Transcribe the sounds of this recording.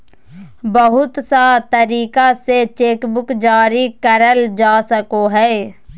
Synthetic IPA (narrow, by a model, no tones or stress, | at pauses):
bəɦʊt̪sat̪əɾiːkaset͡ʃeːkbʊkd͡ʒaːɾikəɾəld͡ʒaːsəkoɦɛː